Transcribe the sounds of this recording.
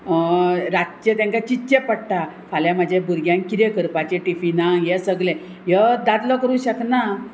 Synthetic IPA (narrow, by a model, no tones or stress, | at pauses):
ɾat͡ɕət̪jãŋkat͡ɕit̪ːɕepəɽʈ̪a | kʰaljamad͡ʑʱebuɾɡjãŋkiɾjekəɾpat͡ɕeʈifinãŋjesəɡlẽ | jəd̪at̪lɔkəɾũɕəkna